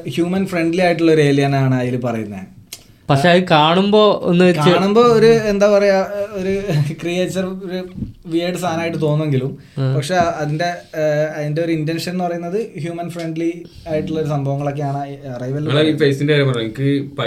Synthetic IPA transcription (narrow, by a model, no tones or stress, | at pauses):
hjuːmɐnfreɳɖliaːjiʈːuɭːɐoɾue̞ːlijɐnaːɳaːjilupɐrɐjunːɐð | pɐkʂeɐðkaːɳumbo̞ːo̰nːɨekːaɐːɳumbo̞ːoɾuend̪aːpɐrɐjaoɾukrijeːt͡ɕːɐroɾuʋiɖɨst̪ʰaːnaːjiʈːɨt̪o̞ːnːueŋɡilum | pɐkʂe̞ɐðinde̞ɐðinde̞o̞ɾuintenʂɐnenːɨpɐrɐjunːɐðɨhjuːmɐnfreɳɖli | aːjiʈːuɭːɐoɾusɐmbʱɐʋɐŋːɐɭo̞kːe̞jaːɳaɐrɐjʋɐlːɐifejsindeɐɾɐmpɐrɐeŋikːɨp